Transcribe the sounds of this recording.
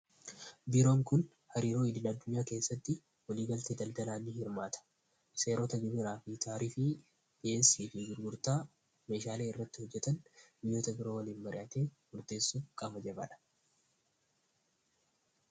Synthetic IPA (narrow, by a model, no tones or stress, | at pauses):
biːɾo̞ːŋkʊn | hɐɾiːɾo̞ːɪd̪ɪnɐd̪ːʊɲːaːke̞ːsːɐt̪ːɪ | wɐliːɡɐlt̪eːd̪ɐld̪ɐlaːnːɪhɪɾmaːt̪ʰɐ̥ | se̞ːɾoːt̪ɐɡɪbɪɾaːfit̪ʰaːɾiːfɪ | deːnsiːfɪɡɪɾɡʊɾt̪aː | me̞ːʃaːleːɪrːɐt̪ːɪhɔd͡ʒːɛt̪ɐnbɪjːo̞ːt̪ɐbɪɾoːwɐliːnmɐɾɪ̰ʔɐːt̪e̞ːmʊɾt̪e̞ːsːuːfkʼɐbɐd͡ʒɐbɐ̰ᶑɐ̥